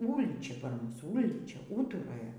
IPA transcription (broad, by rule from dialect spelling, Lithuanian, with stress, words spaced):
ˈuːlʲiːt͡ʃʲɛ pɐr ˈmʊs ˈuːlʲiːt͡ʃʲɛ ˈuːtʊroːjɛ